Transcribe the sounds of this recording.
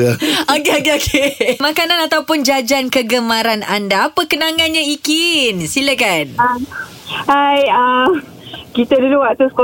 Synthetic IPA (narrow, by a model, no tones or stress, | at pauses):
okeokeokʰemakananat̪awpʊnd͡ʒad͡ʒankəɡəmaɾana̰ndaːpəkənaŋanɲaikinsiləkan | ajə | kit̪əduduwaʔt̪usko